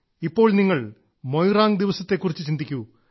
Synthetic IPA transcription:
ipːo̞ːɭniŋːɐɭ | mojraːŋɡd̪iʋɐsɐt̪ːe̞kːurit͡ɕːɨt͡ɕind̪ikʲːu

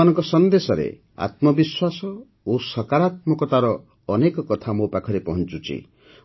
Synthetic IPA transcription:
anɔŋkɔsɔnd̪esɔɾḛ | a̰t̪mɔbiswasɔ | osɔkaɾat̪mɔkɔt̪aɾɔː | nekɔkɔt̪ʰamopakʰɔɾepɔɦɔnt͡ʃut͡ʃʰḭ

